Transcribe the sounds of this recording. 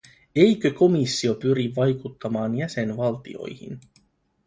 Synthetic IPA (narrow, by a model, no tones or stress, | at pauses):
e̞jkø̞ko̞misːio̞pyɾiʋːɑjkut̪ːɑmɑːnjæse̞nʋɑlt̪ḭo̞̰jhḭn